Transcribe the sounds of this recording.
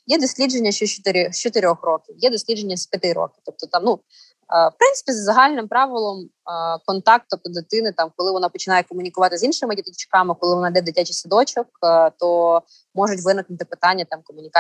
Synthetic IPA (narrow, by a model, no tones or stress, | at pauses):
jɛd̪ɔsʲlʲid͡ʒenʲːɐʃt͡ʃɔt͡ʃt̪ɪɾʲt͡ʃɔt̪ɪɾʲɔxrɔkʲiwjɛd̪ɔsʲlʲidd͡ʒenʲːɐsʲpʲjɐt̪ɪɾɔ̰kʲɪ̥t̪ɔp̚t̪ɔt̪ɑmnu | fpɾɪnsɪ̥pʲizɐzɐɦɑlʲnɪmpɾɑʋɪlˠɔmkɔnt̪ɑk̚t̪ɔp̚t̪ɔd̪ɪt̪ɪnɪt̪ɑmkɔlˠɪʋɔnɑpɔt͡ʃɪnɑjɛkɔmʊnʲikʊʋɑt̪ɪzinʃɪmɪdʲit̪ɪt͡ʃkɑmɪkɔlˠɪʋɔnɑd̪ɛd̪ɪtʲat͡ʃɪsʲɪd̪ɔt͡ʃɐkt̪ɔ | mɔʒʊtʲʋɪnɪknʊt̪ɪpɪt̪ɑnʲːɐt̪ɑmkɔmʊnʲik